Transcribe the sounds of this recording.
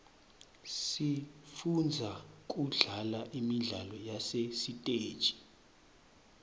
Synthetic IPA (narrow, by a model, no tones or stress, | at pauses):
sifund͡zʱak̬ʼuɮalaʔimiɮalɔjasesitʼeːd̥t͡ʃʼi̥